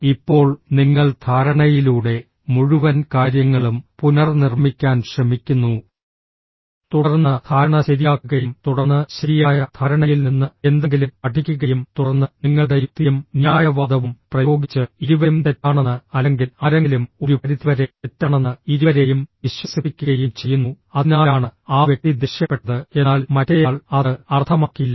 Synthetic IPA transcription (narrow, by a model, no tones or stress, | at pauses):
ipːo̞ːɭniŋːɐɭd̪ʰʱaːɾɐɳɐjiluːɽe̞ | muɻuʋɐnkaːɾjɐŋːɐɭumpunɐrnirmikʲːaːnɕrɐmikʲːunːu | t̪uɽɐrnːɐt̪ʰaːɐɳɐɕɐɾijaːkːuɣɐjumt̪uɽɐrnːɨɕɐɾijaːjɐt̪ʰaːɾɐɳɐjilninːɨe̞nd̪eŋɡilumpɐʈʰːikʲːuɣɐjumt̪uɽɐrnːɨniŋːɐɭɽeɾut̪ːijumnjaːjɐʋaːd̪ʱɐʋumprɐjo̞ːɡit͡ɕːɨiɾuʋɐumt̪etːaːɳenːɨɐleŋɡilɐɾeŋɡilumo̞ɾupɐɾit̪ːiʋɐɾeetːaɳenːɨiɾuʋɐɾe̞jumʋiɕwɐsipikʲːuɣɐjumt͡ɕe̞jːunːu | ɐðinaːjaːɳɨaːʋjek̚t̪id̪iɕjɐpːe̞ʈːɐðɨe̞nːaːlmɐtːejaːɭɐðɨɐrt̪ʰɐmaːkːilːɐ